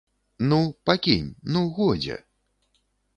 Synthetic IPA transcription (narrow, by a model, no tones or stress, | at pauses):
nupakʲḭnʲnuɣɔd͡zʲɛ̰